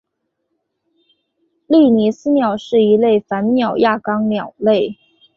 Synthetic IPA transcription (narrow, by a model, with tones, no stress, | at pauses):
li˥˩ni˧˥sɹ̩˥njɑ˨˩ʊʂɻ̩˥˩i˧˥le˥˩ɪfa˧˥nnjɑ˨˩ʊja˥˩kɑ˥ŋnjɑ˨˩ʊle˥˩ɪ